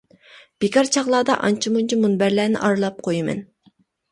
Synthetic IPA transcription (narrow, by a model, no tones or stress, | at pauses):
b̥ekʰɑɾt͡ʃʰɑʁlˠɑːd̪ɑ̰ʔɑnt͡ʃʰimunt͡ʃʰimunbæɾlæːnɪ̰ʔɑɾlˠɑp̚qʰojɪmɛ̰n